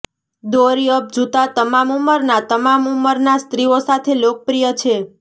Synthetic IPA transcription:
d̪oɾiəp̚d͡ʒut̪at̪əmamuməɾnat̪əmamuməɾnast̪ɾiosat̪ʰelok̚əpɾijət͡ʃʰe

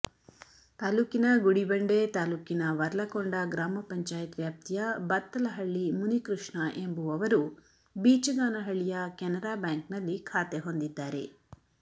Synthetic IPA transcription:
t̪aːluːkinɐɡuɽibɐɳɖet̪aːluːkinɐʋɐɾɐlɐkoɳɖɐɡɾaːmɐpɐɲt͡ʃaːjɐt̪ʋjaːp̚t̪ijɐbɐt̪ːɐlɐɦɐɭːimunikɾuʂɳɐʔembuɐʋɐɾu | biːt͡ʃɐɡaːnɐɦɐɭijɐkɛnɐɾaːbjaːŋknɐlːikʰaːt̪eɦond̪id̪ːaːɾḛ

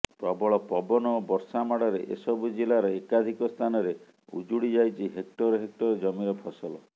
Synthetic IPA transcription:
pɾɔbɔɭɔpɔbɔnɔbɔɾsamaɽɔɾeʔḛsɔbud͡ʒilaɾɔekad̪ʱikɔst̪ʰanɔɾe | ṵd͡ʒuɽid͡ʒajt͡ʃʰiɦek̚ʈɔɾɔɦek̚ʈɔɾɔd͡ʒɔmiɾɔpʰɔsɔlɔ

